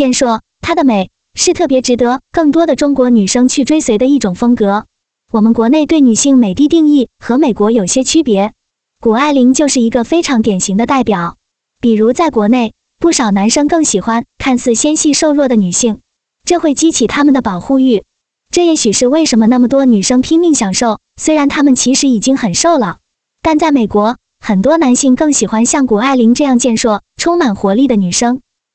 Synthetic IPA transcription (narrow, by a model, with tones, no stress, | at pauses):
t͡ɕjɛ˥nʂwɔ˥ | t̪ʰa˥d̪ə˨me˨˩ɪ | ʂɻ̩˥˧t̪ʰɤ˥˩pjɛ˧˥ʈ͡ʂɻ̩˧˥t̪ɤ˧˥kɤ˥˩ŋt̪wɔ˥d̪ə˨ʈ͡ʂʊ˥ŋkwɔ˧˥ny˨˩ʂɤ˥ŋt͡ɕʰy˥˩ʈ͡ʂwe˥ɪswe˧˥ɪd̪ə˧i˥˩ʈ͡ʂʊ˨˩ŋfɤ˥ŋkɤ˧˥ | wɔ˨˩mə˧˦nkwɔ˧˥ne˥˧ɪt̪we˥˩ɪny˨˩ɕi˥˩ŋme˨˩ɪt̪i˥˧t̪i˥˧ŋi˥˩xɤ˧˥me˨˩ɪkwɔ˧˥jo˨˩ʊɕjɛ˥t͡ɕʰy˥pjɛ˧˥ | ku˨˩a˥˩ɪli˧˥ŋt͡ɕjo˥˧ʊʂɻ̩˥˩i˧˥ɡə˧fe˥ɪʈ͡ʂʰɑ˧˥ŋt̪jɛ˨˩nɕi˧˥ŋd̪ə˧t̪a˥˩ɪpjɑ˨˩˦ʊ | pi˨˩ɻu˧˥t͡sa˥˩ɪkwɔ˧˥ne˥˩ɪ | pu˥˩ʂɑ˨˩ʊna˧˥nʂɤ˥ŋkɤ˥˩ŋɕi˨˩xwa˥nkʰa˥˧nsɹ̩˥˩ɕjɛ˥nɕi˥˧ʂo˥˧ʊɻwɔ˥˩d̪ə˩ny˨˩ɕi˥˩ŋ | ʈ͡ʂɤ˥˧xwe˥˩ɪt͡ɕi˥t͡ɕʰi˨˩t̪ʰa˥mə˨nd̪ə˩pɑ˨˩ʊxu˥˧y˥˩ | ʈ͡ʂɤ˥˩jɛ˧˥ɕy˨˩ʂɻ̩˥˧we˥˩ɪʂə˧˥nmə˧na˥˩mə˩t̪wɔ˥ny˨˩ʂɤ˥ŋtpʰi˥ŋmi˥˩ŋɕjɑ˨˩ŋʂo˥˩ʊ | swe˥ɪɻa˧˥nt̪ʰa˥mə˨nt͡ɕʰi˧˥ʂɻ̩˧˥i˨˩t͡ɕi˥ŋxə˨˩nʂo˥˩ʊlə˩ | t̪a˥˧nt͡sa˥˩ɪme˨˩ɪkwɔ˧˥ | xə˨˩nt̪wɔ˥na˧˥nɕi˥˧ŋkɤ˥˩ŋɕi˨˩xwa˥nɕjɑ˥˩ŋku˨˩a˥˩ɪli˧˥ŋʈ͡ʂɤ˥˧jɑ˥˧ŋt͡ɕjɛ˥˧nʂwɔ˥˩ʈ͡ʂʰʊ˥ŋma˨˩nxwɔ˧˥li˥˩d̪ə˩ny˨˩ʂɤ˥ŋ